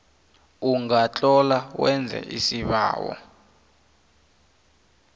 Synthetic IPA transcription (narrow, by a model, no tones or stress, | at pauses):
uŋat͡ɬʼɔlawɛnd͡zʱɛ̰ʔisiβa̰ːwɔ̰